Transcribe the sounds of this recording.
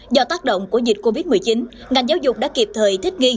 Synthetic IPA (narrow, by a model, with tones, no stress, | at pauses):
zɔ˧t̪aː˦˥k̚ɗə̰˧˨wŋ͡mku˧˩əzi̟˨˩ko˧vi˦˥t̚mɨ˨˩əjt͡ɕi˨˦n | ŋa˨˩jŋ̟zaː˨˦wzʊ˨˩k͡p̚ɗaː˧˥ki˨˩əp̚t̪ʰəː˨˩jt̪ʰi˦˥k̟̚ŋi˧